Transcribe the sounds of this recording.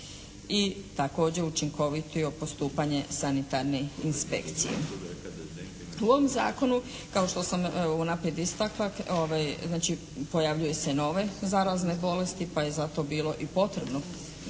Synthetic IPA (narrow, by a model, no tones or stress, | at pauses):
it̪ako̞ːd͡ʑe̞ut͡ʃiŋkoʋit̪ʰijo̞po̞st̪uːpaɲe̞sanit̪aɾneinspe̞̰kt̪sḭjḛ | uoʋomza̰ːko̞nu | kaoʃt̪o̞samunapɾijed̪ist̪aklaoʋajznaːt͡ʃi | po̞jaʋʎuje̞seno̞ʋe̞zaɾazne̞bo̞le̞st̪ipaje̞zat̪o̞biːlo̞ʔipo̞t̪ɾe̞bno